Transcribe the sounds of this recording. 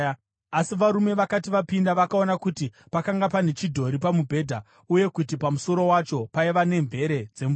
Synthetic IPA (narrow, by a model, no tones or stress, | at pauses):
asiʋaɾume̞ʋakatiʋapindaʋakao̞nakuti | pakaŋɡapane̞t͡ʃidʱo̞ɾipamubʱe̞ːdʱa | uje̞kutipamuso̞ɾo̞wat͡ʃo̞paiʋane̞ɱve̞ɾe̞d͡ze̞mu